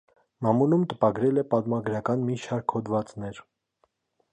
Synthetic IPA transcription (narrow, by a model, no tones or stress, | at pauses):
mɑmulumt̪əpɑɡɾɛlɛpɑt̪mɑɡɾɑkɑnmiʃɑɾkʰhɔd̪vɑt͡snɛɾ